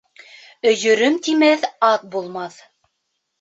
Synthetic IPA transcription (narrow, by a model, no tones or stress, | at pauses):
ɵ̆jɵ̆ɾɵmt̪imæθɑt̪̚bulˠmɑθ